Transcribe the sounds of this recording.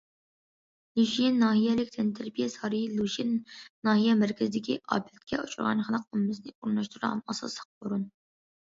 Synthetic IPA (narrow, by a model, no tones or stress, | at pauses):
luʒijenːɑːɦijɛlɪkʲd̪ʰɪnt̪ʰæɾpijɛsɑɾilˠuʒenːɑːhijɛmæɾkʲʰɪzɪd̪ɪkʲiʔɑ̰ːpʰɛt̪̚kʲʰɛut͡ʃʰuɾʁɑ̰nχəlˠəq̚umːɨznɪuɾnɑʃt̪ʰuɾʁɑ̰nɑsɑ̰slˠə̥q̚boɾun